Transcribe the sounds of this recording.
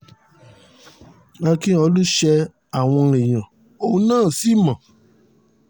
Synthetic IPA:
a˧kĩ˦ɔ˧lu˦ʃɛ˧ | a˨w̃ɔ̃˧ɾ̃ĩ˨j̃ã˨ | o˦˧˦nãː˦˨si˨˦˨mã˨

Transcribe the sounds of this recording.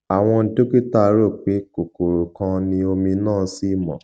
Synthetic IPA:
a˨w̃ɔ̃˧n̩˨to˦ki˦ta˦˨˧ɾo˦˨k͡pe˨˦ko˨ko˨ɾo˨kã˧nĩ˧o˧mĩ˧nãː˦˨˧si˦mɔ̰̃˨

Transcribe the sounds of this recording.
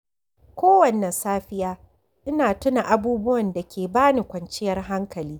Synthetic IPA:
kʷoː˦wɐ˨nːɐ˨nsaː˦ɸɪ˦jaː˦ | ʔɪ˦naː˨tʊ˦na˨ʔa˨buː˦bʊ˦wɐ˨nda˨kʲeː˨baː˦ni˨kʷɐ˨nt͡ʃɪ˦jɐ˦rɦa˦ŋkɐ˨liː˦

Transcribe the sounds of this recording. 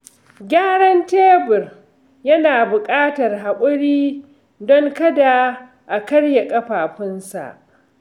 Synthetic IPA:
ɡʲaː˦ɽɐ˦nteː˦bɪ˨r | jɐ˦naː˨bʊ˨kʼaː˦tɐ˨rɦa˨kʷʼʊ˦ɽiː˦ | dɔ˦ŋkɐ˦da˨ | ʔa˨kɐ˦ɽja˨kʼɐ˦ɸaː˨ɸɪ˦nsa̰˨ʔ

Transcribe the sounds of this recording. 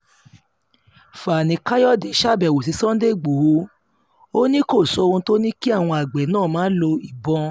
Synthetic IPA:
fa˨nĩ˨˧ka˦jɔ˦˨de˨˦ʃa˦˨bɛ˨wo˨s̬i˨˧˦sɔ̃˦n̩˦de˦˨ɡ͡bo˨wo˧˦ | o˦nĩ˦ko˦˨sɔ˧wõ˧˦to˦nĩ˦ki˦a˦˨w̃ɔ̃˧a˨ɡ͡bɛ˨˦nãː˦˨mãː˨˦lo˧i˨bɔ̃˧

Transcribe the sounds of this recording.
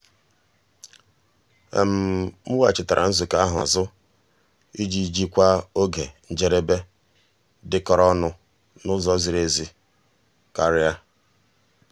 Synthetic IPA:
ḛ˨m̩˨m̩˦wa˨t͡ʃɪ˨ta˨ɾʔa̰˨n̩˦zu˨ka˦a˦ɦa̰˨zʊ˦ | i˦d͡ʒi˨d͡ʒi˦kʷa˦o˦ɡe˨n̩˨d͡ʒe˨˦ɾe˦be˦ | dɪ˦kɔ˨ɾɔ˦nʊ˦ | nʊ˦zɔ˦zi˨ɾe˨zi˨ | ka˦ɾɪ˦a˦

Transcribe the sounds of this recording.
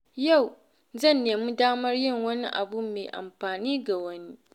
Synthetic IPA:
ja˦˨w | zɐ˦˨nːeː˨mu˦daː˦mɐ˦rjɪ˦˨ŋwɐ˦ni˦ʔa̰˨bʊ˦me˨ʔa̰˨mɸaː˨niː˦ɡa˨wɐ˦ni˦

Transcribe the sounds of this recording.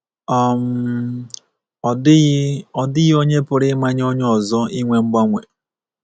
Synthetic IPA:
ɔ˦˨m˨˦ | ɔ˨dɪ˦ɣo˦ɲe˦pʊ˨ɾɪ˦ma˦ɲ˦o˦ɲ˦ɔ˨zɔ˦i˦ŋʷe˦ŋ͡m̩˦ɡ͡ba˦ŋʷḛ˨

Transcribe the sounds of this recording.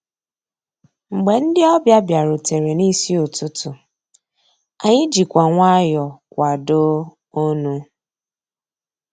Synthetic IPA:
ŋ͡m̩˨ɡ͡be˨n̩˦dɪ˦ɔ˦bja˦bja˨ɾʊ˨te˨ɾe˨ni˦si˦o˨tʊ˦tʊ˨ | a˨ɲɪ˦d͡ʒi˨kʷa˨ŋʷa˦jɔ˨kʷa˨do˦ | o˦nu˦

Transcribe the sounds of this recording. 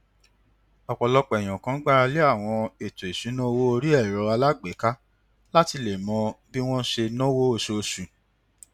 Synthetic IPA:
ɔ˨k͡pɔ˨lɔ˧k͡pɛ˨j̃ɔ̃˨kã˨˦ɡ͡ba˦ɾa˧le˦a˦˨w̃ɔ̃˧e˨to˨e˨sũ˨˦nɔ̃˦wo˦o˧ɾi˦ɛ˦˨ɾɔ˨˧a˧la˦ɡ͡be˨˦ka˦ | la˦ti˧le˨mɔ̃˨˧˦bi˦w̃ɔ̃˦ʃe˧nɔ̃˦wo˦o˧˨ʃo˧o˧ʃũ˨

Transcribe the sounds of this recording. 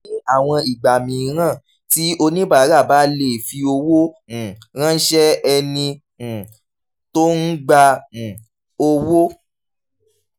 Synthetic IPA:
a˨w̃ɔ̃˧i˨ɡ͡ba˨mĩ˨˦ɾ̃ã˦˨ | ti˦ʔo˧nĩ˦ba˦˨˦ɾa˦˨ba˨˦le˦˨fi˧o˧wõ˦˨ | ɾ̃ã˦ʃɛ˦ɛ˧nĩ˧˨ | to˦n̩˦ɡ͡bã˧˨ | o˧wo˦

